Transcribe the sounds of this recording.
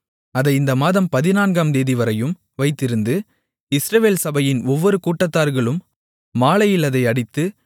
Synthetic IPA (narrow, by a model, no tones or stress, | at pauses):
ɐðɐɪɪnd̪ɐmaːðɐmpɐðɪnaːnɡaːmd̪eːðɪʋɐɾɐjɯm | ʋɐɪt̪ːɪɾɯnd̪ɯ | ɪsɾɐʋeːlsɐbɐjɪnɔʋːɔɾɯkuːʈːɐt̪ːaːɾɣɐɭɯmː | aːɭɐjɪlɐðɐɪɐɽɪt̪ːɯ